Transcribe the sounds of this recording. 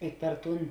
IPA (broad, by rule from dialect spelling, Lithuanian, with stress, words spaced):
ɪ pʲɛr ˈtuːn